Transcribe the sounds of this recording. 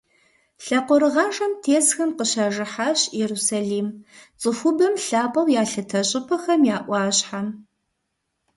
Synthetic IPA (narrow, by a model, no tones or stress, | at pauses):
ɬɐqʷɔɾɨʁɑːʂɐmtʰeːsxɐmqəɕɐʒɪħaːɕjɛɾusaːɮiːmt͡sʼɨxʷʊbɐmɬaːpʼɐwjaːɬɐtʰɐɕʼɪpʰɐxɐmjaːʔʷɑːɕħam